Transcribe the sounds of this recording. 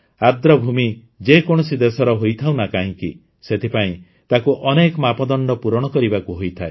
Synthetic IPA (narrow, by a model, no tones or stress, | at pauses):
ad̪ɾɔbʱumi | d͡ʒekoɽ̃ɔsid̪esɔɾɔɦojt̪ʰaw̃nakaɦĩkḭ | set̪ʰipaĩ | t̪akuʔɔnekɔmapɔd̪ɔɳɖɔpuɾɔɽ̃ɔkɔɾibakuɦojt̪ʰae